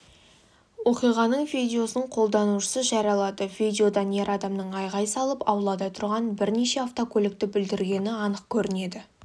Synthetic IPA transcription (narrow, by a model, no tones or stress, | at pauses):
wo̞qijʁɑnəɴvidʲeo̞snəɴqʰo̞lˠd̪ɑnuʃə̥səʒɑɾɑlˠɑd̪əvid̪ʲeo̞d̪ɑnje̞ɾɑd̪ɑmnəɴɑjʁɑjsɑlˠəpɑ̰wlˠɑd̪ɑt̪ʰʊɾʁɑnbɪɾne̞ʃe̞aft̪o̞kʲʰɵlɪk̚t̪ɪbɪld̪ɪɾɡʲe̞nɪɑnəq̚kʲʰɵɾɪne̞d̪ɪ